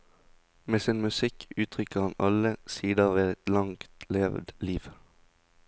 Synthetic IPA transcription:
meːsiːnmʉsɪkʉːt̪ʰʁʏkəʁɑnʔɑləsiːd̪əʋeːɛt̪lɑŋkt̪leːʋd̪liːʋ

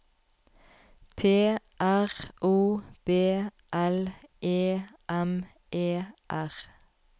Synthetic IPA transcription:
pʰeː | ʔæʁʔuːb̥eː | ʔɛlʔeːʔɛm | ʔeːʔæʁ

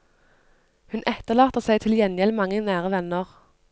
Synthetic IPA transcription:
hʉnʔɛt̪əʁlɑːt̪əsæɪt̪ʰɪljɛnjɛlmɑŋːənæːʁəʋɛnəʁ

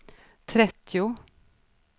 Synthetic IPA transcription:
t̪ʰɾɛt̪ʰːɪʊ

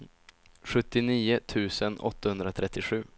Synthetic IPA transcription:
ɧɵt̪ːɪniːʊt̪ʰʉ̟ːsənɔ̰t̪ʰːahɵnd̪ɾat̪ʰɾɛt̪ːɪɧʉ̟ː

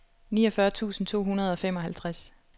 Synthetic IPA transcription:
niːɒ̽fɶɐt͡sʰṵːsn̩t͡sʰo̝̰ːhunɐð̞̩ˠɒ̽femɒ̽ɦælt͡sʰʁas

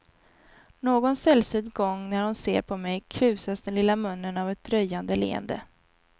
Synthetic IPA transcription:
noːɡɔnsɛlsʏd̪ɡɔŋːnæɾhʊnsḛːɾpʰɔmɛjkʰɾʉ̟ːsasd̪ɛnlɪlːamɵnːənavɛt̪̚d̪ɾœjːand̪əlḛːə̰nd̪ə̰

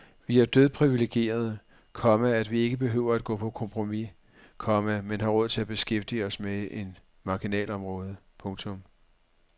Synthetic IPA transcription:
ʋiæd̥øð̞ˠpʰʁiʋile̝ɡ̥e̝̰ːɐð̞ˠə | kʰɒ̽mææd̥ʋie̝ɡ̥əb̥e̝ɦø̰ʊ̰ɐæd̥̚ɡ̥ɔ̰̽ːpʰɒ̽kʰɒ̽mpʰʁo̝mi | kʰɒ̽mæmenɦɑ̈ʁɔ̽ð̰ˠt͡sʰe̝læb̥e̝sɡ̥efd̥iɒ̽smee̝n | mɑ̈ɡ̥inɛ̰ːlɒ̽mʁɔ̽ːð̞ˠəpʰɔ̽ŋt͡sʰɔ̽m

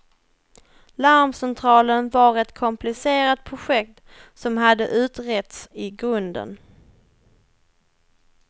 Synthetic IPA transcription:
laɾmsɛnt̪ʰɾɑːlənvaɾɛt̪kʰɔmpʰlɪseːɾat̪̚pʰɾʊɧɛk̚t̪ | sɔmɦad̪ːə̰ʔʉ̟ːt̪ɾɛt̪sɪɡɾɵnd̪ə̰n

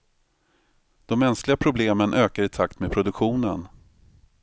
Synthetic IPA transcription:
d̪̥ɔmːɛnsklɪɡapʰɾʊbleːmənʔøːkaɾɪt̪ʰakt̪meːd̪pʰɾʊd̪ɵkɧuːnən

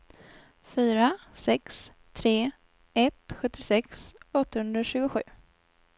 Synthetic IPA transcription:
fyːɾasɛks | t̪ʰɾeː | ɛt̪ɧɵt̪ːɪsɛksɔt̪ːahɵnd̪ɾaɕʉːɡʊɧʉ̟̰ː

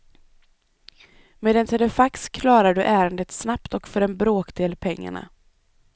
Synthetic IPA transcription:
meːd̪ɛnt̪ʰɛlɛfakskʰlɑːɾaɖɵʔæːɾənd̪ət̪snapt̪ɔkfœɾɛnbɾoːkd̪eːlpʰɛŋːa̰ɳa̰

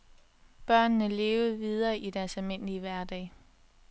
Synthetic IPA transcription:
b̥ɶɐ̰nːəle̝ːʊð̩ˠʋið̞ˠɐːʔid̥æɐsælme̝n̰liəʋæɐd̥ɛ̰ː

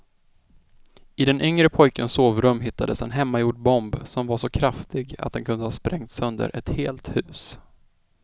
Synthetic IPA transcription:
ʔɪd̪ɛnʔʏŋɾəpʰɔjkənsoːvɾɵmːɦɪt̪ːad̪əsɛnɦɛmːajuːɖbɔmbsɔmvaʂɔkʰɾaft̪ɪɡa̰t̪̚d̪ɛnkʰɵnd̪əhɑːspɾʔɛŋt̪sɵnd̪ə̰ɾʔɛt̪heːlt̪hʉ̟ːs

